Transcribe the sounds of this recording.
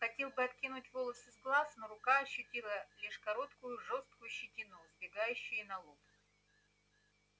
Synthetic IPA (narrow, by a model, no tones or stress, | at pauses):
xɐtʲe̞lˠbɨɐt̪kʲinʊtʲvolˠəsɨzɡlˠasnoɾʊkaɐɕːʊtʲilˠəlʲiʂkɐɾo̞t̪kʊjʊʐo̞st̪̚kʊjʊɕːɪtʲɪnuzbʲɪɡajʉɕːʊjɪnɐlˠop